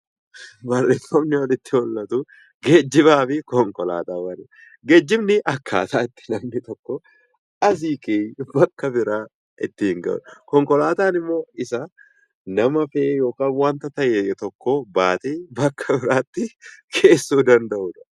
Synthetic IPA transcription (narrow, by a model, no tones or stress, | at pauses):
bɐrːeːfɐmnɪwɐnɪt̪ːɪhɔlːɐt̪ʊ | ɡeːd͡ʒːɪβaːfɪkɔŋkɔla̰ːt̪aːwɐnɪ | ɡeːd͡ʒːɪmnɪʔɐkʰːa̰ːt̪aːɪt̪ːɪ̥nɐmnɪt̪ɔkːɔ | ʔɐs̬iːkeːbɐkːɐbɪɾaː | ʔɪt̪ːɪɪŋɡɐ̰ʔᶑkɔŋkɔlaːt̪aːnɪmːo̞ːɪsɐ | nɐmɐfeːjo̞ːkaːnwaːnt̪ɐt̪ɐʔet̪ɔkːobaːt̪eːbɐkʰːɐbɪɾaːt̪ːɪkʰeːsːuːd̪ɐnd̪ɐʔʊᶑɐ̥